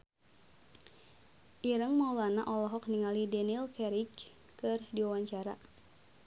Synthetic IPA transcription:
ʔiɾəŋmaulanaʔɔlɔɦɔk̚niŋalidɛnilkɛɾik | kːɨrdiwawaɲt͡ʃaɾa̰

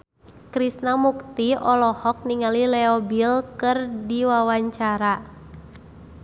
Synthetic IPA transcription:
kɾisnamukt̪iɔlɔhɔk̚niŋalilɛɔbilkɨrdiwawaɲt͡ʃaɾa

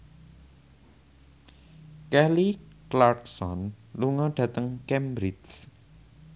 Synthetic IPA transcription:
kɛliklarksɔnluŋɔɖ̥ä̤t̪əŋkɛmbɾɪd͡ʒs

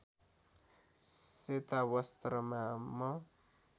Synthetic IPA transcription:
set̪awʌst̪ɾʌmamʌ

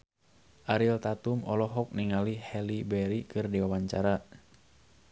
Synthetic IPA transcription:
ʔaɾilt̪at̪umɔlɔɦɔk̚niŋalihɛlibɛɾikɨrdiwawaɲt͡ʃaɾa

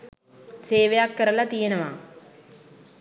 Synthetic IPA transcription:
seːʋejakːɐɾɐlɐt̪ijenɐʋa

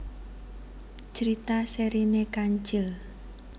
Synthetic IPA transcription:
t͡ʃəɾit̪aseɾinekaɲt͡ʃɪl

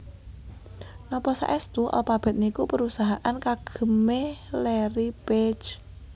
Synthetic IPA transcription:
nɔpɔsa̰ʔɛst̪uʔa̰lpab̥ɛ̤t̪̚nikupəɾusaɦaʔankaɡ̥ə̤melɛɾipet͡ʃ

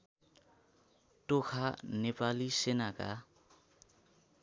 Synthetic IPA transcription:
ʈokʰanepalisenaka̰

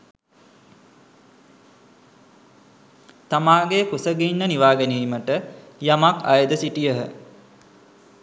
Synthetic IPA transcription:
t̪amaːɡekusəɡinːəniʋaːɡeniːməʈəjamaka̰jəd̪əsiʈijəɦə

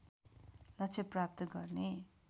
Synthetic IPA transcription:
lʌkt͡sʰeprap̚t̪ʌɡʌrne

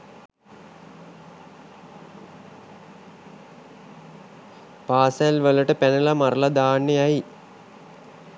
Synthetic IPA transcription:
paːsælʋələʈəpænəlamaɾəlad̪aːnːəjai

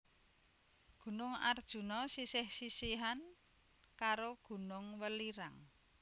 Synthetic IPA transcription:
ɡ̥ṳnʊŋa̰rd̥ʒ̥ṳnɔsisɪhsisiɦan | kaɾoɡ̥ṳnʊŋwəliɾaŋ

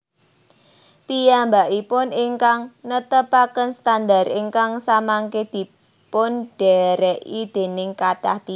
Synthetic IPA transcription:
pijambaʔipʊniŋkaŋnət̪əpakənst̪and̪ariŋkaŋsamaŋked̪̥i̤ | pʊnɖ̥ɛɾɛʔid̪̥e̤nɪŋkad̪̥aht̪i

